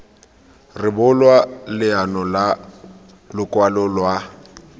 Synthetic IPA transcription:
rɪbʊlwalɪanɔla | lʊkʼwalʊlwa

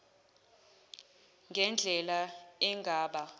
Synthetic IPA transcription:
ŋɡʱɛnd͡ɮʱɛlaɛŋɡʱaːɓa

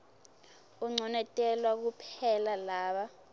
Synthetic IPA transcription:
uŋ͡ǀʱɔnɛtʼɛlwak̬upʰɛlalaːɓa

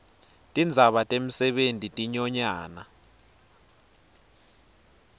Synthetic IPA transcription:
tʼind͡zʱaɓatʼem̩sɛɓentʼitʼiɲɔɲaːna

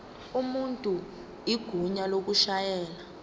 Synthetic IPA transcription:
umuntʼu | iɡ̥ʱuɲalok̬uʃajɛːla

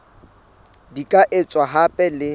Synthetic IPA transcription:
dikʼaʔɪt͡sʼwaɦapʼɛlɪ

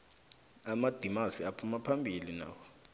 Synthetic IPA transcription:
amad̥ʱimasiapʰumapʰambʱilina̰ːwɔ

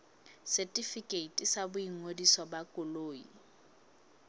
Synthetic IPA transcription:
sɛtʼifikʼeitʼisabʊiŋodisɔbakʼʊloːḭ

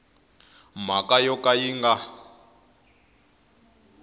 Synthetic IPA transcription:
m̤akajɔkajiŋɡa

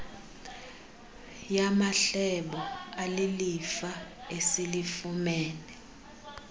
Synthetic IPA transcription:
jamaɬɛɓɔalilifaesilifumɛːnɛ

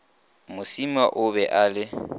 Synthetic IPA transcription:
mʊsima̰ʔʊbɛʔaːlɪ

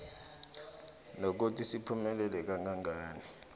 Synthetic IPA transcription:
nok̬utʰisipʰumɛlɛlɛk̬aŋaŋaːni

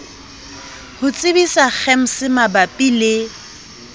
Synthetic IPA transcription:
hʊt͡sʼɪbisak͡xʰɛm̩sɪmabapʼilɪ

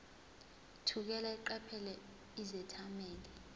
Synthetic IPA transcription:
tʰuk̬ɛlaiǃɛpʰɛlɛ | izɛtʰamɛːlɛ

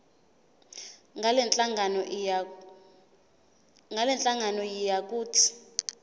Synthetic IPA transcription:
alɛnt͡ɬʼaŋanɔ | ŋɡalɛnt͡ɬʼaŋanɔjijak̬ʼuːtʰi̥

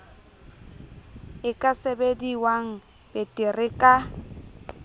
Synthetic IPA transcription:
ɪkʼasebediwaŋ̩ | b̥ɛtʼɪrɪkʼa

